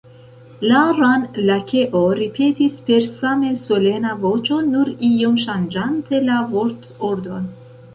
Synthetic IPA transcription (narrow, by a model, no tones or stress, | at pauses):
laɾanlakʰe̞ʔoɾipʰe̞tispe̞ɾsame̞so̞le̞navo̞t͡ʃo̞nuɾio̞mʃand͡ʒantʰe̞lavoɾt | oɾdo̞n